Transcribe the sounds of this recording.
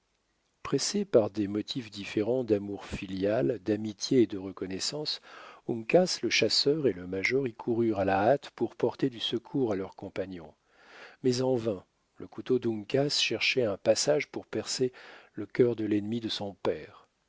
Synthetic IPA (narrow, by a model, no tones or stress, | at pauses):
pχɛsepaʁd̪ɛmɔt̪ʰifd̪ifeʁɑ̃d̪amuʁfiljald̪amit̪ʰjeːd̪əʁəkɔnɛsɑ̃suŋkʲasləʃasœʁeləmaʒɔʁikʰuʁyʁalaːt̪puʁpɔʁt̪ed̪ysəkʰuʁalœʁkɔ̃paɲjɔ̃ | mɛzɑ̃vɛ̃ | ləkut̪od̪ũŋkʲasʃɛʁʃɛɛ̃pasaʒpuʁpɛʁseləkʲœʁd̪əlɛnmid̪əsɔ̃pɛːʁ